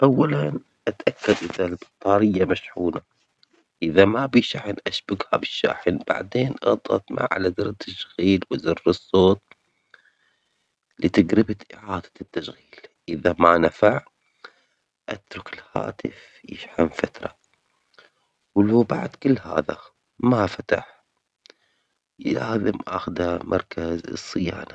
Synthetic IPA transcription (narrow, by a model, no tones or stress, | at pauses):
ʔawːalan | ʔat̪ʔakːad̪ʔɪðalbɑt̪ˤːɑːɾɪjːamaʃħuːna | ʔɪðamabiʃaħənʔaʃbaɡhabɪʃːa̰ːħɪnb̥a̰ʕd̪eːnʔɑ̰t̪ˤːɑ̰t̪ma̰ʕʕa̰lazɪɾˤt̪ːaʃɣiːlwɪzɪrːɨsˤːoːt̪ˤ | lit̪aɡɾɪbat̪ʔɪʕaːd̪̥ḁt̪ːaʃɣiːllʔɪðamanafaʕ | ʔat̪ɾʊkɪlha̰ːt̪ɪf | jɪ̰ʃħamfat̪ɾˤɑ | wluːbaʕd̪kɪlːha̰ːða̰ | mafat̪aħ | laːzɪmʔaxd̪hamʔɑɾˤkazɨsˤːɨja̰ːna